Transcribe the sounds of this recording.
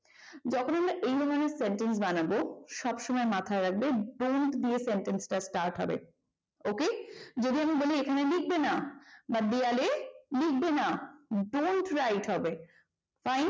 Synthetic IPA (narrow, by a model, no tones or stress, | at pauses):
d͡ʑɔkʰonamɾaʔejd̪ʱɔɾoneɾseɳʈens̬banaboʃɔbʃɔmɔemat̪ʰaeɾak̚beɖoɳʈd̪iesenʈensʈasʈaɾʈɦɔ̰bḛ | oked͡ʑod̪iamiboliekʰanelik̚benabad̪ialelik̚ʰbenaɖoɳʈɾajʈɦɔbe | fajn